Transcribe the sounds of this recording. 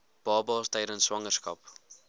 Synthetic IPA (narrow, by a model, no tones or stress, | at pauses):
b̥ɑːbɑːstɛjɾənswɐŋərskɐ̰p